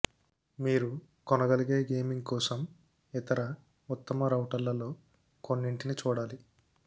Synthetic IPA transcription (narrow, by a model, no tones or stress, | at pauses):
miːɾu | kɔnɐɡɐliɡe̞ːɡeːmiŋɡ̚kɔːsɐm | it̪ɐɾɐ | ut̪ːɐmɐɾɐwʈɐlːɐlo̞ː | ko̞nːiɳʈinit͡ʃuːɽaːli